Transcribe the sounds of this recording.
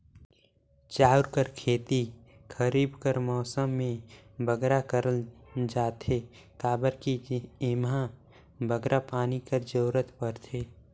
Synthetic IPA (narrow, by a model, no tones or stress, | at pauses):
t͡ʃaːʊɾkəɾkʰeːt̪i | kʰəɾiːbkəɾmɔːsəmːẽbəɡɾakəɾəld͡ʒaːt̪ʰe | kaːbəɾkiɪmɦã | bʱəɡɾʔapaːnikəɾd͡ʒoːɾət̪pəɾt̪ʰeː